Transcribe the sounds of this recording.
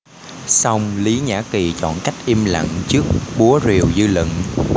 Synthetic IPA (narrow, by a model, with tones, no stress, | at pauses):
sa˧wŋ͡mli˨˦ɲa̰ː˧˥ki˨˩t͡ɕɔ̰˧˨nka˦˥jk̚ʔi˧mlə̰˧˨ŋt͡ɕɨ˦˥ək̚ɓu˨˦əzi˨˩əwzɨ˧lɨ̰˧˨ŋ